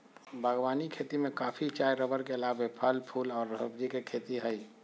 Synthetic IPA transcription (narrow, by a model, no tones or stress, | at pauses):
bʱəɡwaːnikʰeːt̪imẽkaːpʰit͡ʃaːjɾəbəɾkeəlaːbepʰəlpʰuːlɔːɾːəɦəbd͡ʒikekʰet̪iɦəj